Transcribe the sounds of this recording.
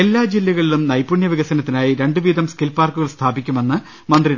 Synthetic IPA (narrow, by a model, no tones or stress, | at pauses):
e̞lːaːd͡ʑilːɐɣɐɭilumnɐjpːuɳjɐʋiɣɐsɐnɐt̪ːinaːjiɾe̞ɳɖɨʋiːd̪ɐmskilpaːrkːuɣɐɭst̪ʰaːbikʲːume̞nːɨ | mɐnd̪ri